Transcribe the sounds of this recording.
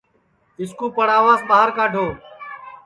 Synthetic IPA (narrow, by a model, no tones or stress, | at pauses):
ɪskuːpəɽaːʋaːzɓaːɦəɾkaːʈoː